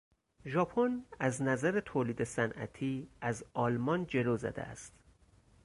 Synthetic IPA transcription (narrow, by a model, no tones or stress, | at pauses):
ʒɒːpʰonæznæzæɾet̪ʰoːliːd̪e̞sænʔæ̰t̪ʰiːæzɒːlmɒnd͡ʒe̞loːzæ̰d̪ḛæ̰st̪